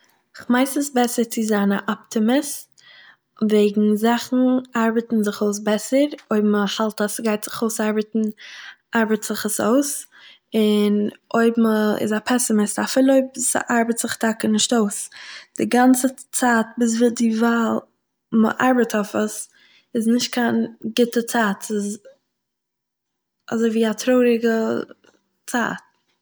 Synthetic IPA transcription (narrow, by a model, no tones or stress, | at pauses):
ɪχmaɪsəsbɛsəɾt͡sɪzana̰ʔɔptɪmɪs | veɪɡŋ̩zaχn̩ʔaɾbətn̩zɪχoʊs̬bɛsəɾoɪbm̩əhalˠtasɡaɪtz̥ɪ̥χoʊsaɾbətn̩ʔaɾbətz̥ɪχəsoʊs | ɪnoɪbm̩əɪ̰zapʰɛsɪmɪstafɪlˠoɪbsə̰ʔaɾbətz̥ɪχtʰakənɪʃtoʊsd̥ɪɡant͡sət͡saːt̚bɪs̬vɪdɪvaːlˠ | mə̰ʔaɾbətʰɔfəs | ɪznɪʃt̚kʰaːnɡɪtət͡saːtɪz | a̰zoɪviːatʰɾoʊɾɪɡə | t͡sa̰ːt̚